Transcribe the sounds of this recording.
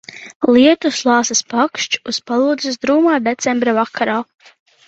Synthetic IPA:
lˠiɛt̪uslˠɑːsaspakʃt͡ʃuspalˠuːd̪zisd̪ɾuːmaːd̪et̪sɛmbɾavakʰaɾaː

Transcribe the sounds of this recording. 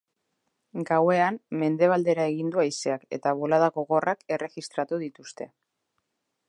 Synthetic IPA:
ɡawe̞amme̞nd̪e̞β̞ald̪e̞ɾae̞ɣind̪uajse̞ake̞̰t̪aβo̞laðaɣo̞ɣo̞rʔake̞re̞ɣist̪ɾat̪uðit̪ust̪e̞

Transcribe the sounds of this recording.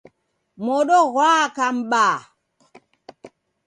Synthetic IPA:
mɔɗɔɣwaːkam̩ɓaː

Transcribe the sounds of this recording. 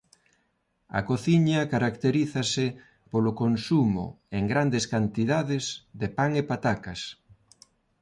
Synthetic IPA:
ɐ̰koθiɲɐkaɾakt̪eɾiθɐsɪ | polʊkonsumʊ̰ | eŋɡɾand̪eskant̪iðaðɪzðepaŋepat̪akɐs

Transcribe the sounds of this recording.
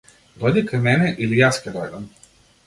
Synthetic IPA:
d̪ɔjd̪ikajmɛnɛʔilijascʲɛd̪ɔjd̪am

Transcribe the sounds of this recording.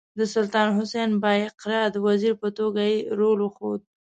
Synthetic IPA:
d̪əsʊlt̪ɑnɦʊsenbɑjɪqɾɑd̪əwaziɾpət̪oɡajeɾolwəxod̪̚

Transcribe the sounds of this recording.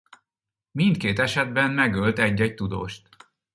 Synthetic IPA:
mint̪keːt̪ɛʃɛd̪̚bɛnmɛɡølt̪ɛɟːɛc̚t̪ud̪o̰ːʃt̪

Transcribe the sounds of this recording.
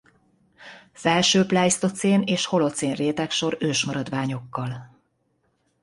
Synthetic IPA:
fɛlʃøːplaːjst̪o̞t̪seːneːʃho̞lo̞t̪seːnreːt̪ɛkʃo̞ɾøːʃmɒɾɒd̪ʋaːɲo̞kːɒl

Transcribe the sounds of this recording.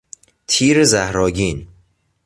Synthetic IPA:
t̪ʰiːɾezæhɾɒːɟiːn

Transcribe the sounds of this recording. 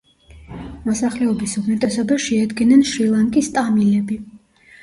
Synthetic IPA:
mɔsaχlɛɔbisuɾmɛt̪ʼɛsɔbaʃɛad̪ɡinɛnʃilˠaŋkʼist̪ʼamilɛbi

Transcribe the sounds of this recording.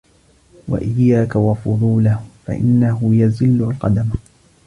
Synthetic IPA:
wa̰ʔɪjːaːkawɑfʊðˤuːlafa̰ʔɪ̰nːaɦʊjazɪlːʊlqɑd̪am

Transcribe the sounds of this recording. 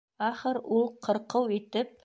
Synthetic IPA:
aχəɾwolˠqʰəɾqəwet̪ɪp̚

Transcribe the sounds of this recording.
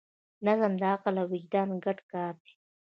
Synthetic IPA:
nazamd̪ɑːqalawɪd͡ʒd̪ɑːnɡaʈkɑːɾd̪i̥

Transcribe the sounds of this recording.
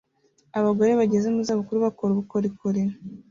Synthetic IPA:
aβaɡo̞ɾe̞βaɟe̞ze̞muzaβukuɾuβakoɾuβukoɾikuɾi

